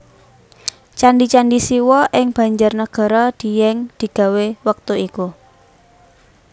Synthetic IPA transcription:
t͡ʃanɖit͡ʃaɳɖisiwɔʔɪŋb̥a̤ɲd͡ʒʊrnəɡ̥a̤ɾɔd̪̥i̤jɛŋd̪̥i̤ɡ̥a̤wewək̚t̪uiku

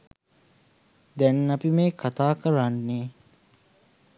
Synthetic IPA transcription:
d̪ɛnːapimeːkʰat̪aːkəɾanːeː

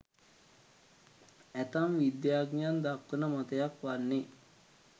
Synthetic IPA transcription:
æt̪amʋid̪jaːɡnijand̪akːənəmat̪əjakʋanːe

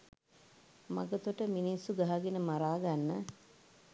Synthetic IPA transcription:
ma̰ɡət̪uʈəminisːuɡaɦaɡenəmaɾaːɡanːə

